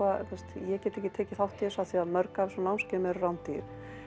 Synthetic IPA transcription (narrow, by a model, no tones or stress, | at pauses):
aθɛst̪jɛcɛt̪ːehcɪt̪ʰeːcɪθawht̪jɛsaθiaðmœɾkavsɔnawnscɛmɛɾrawnt̪ɪɾ̥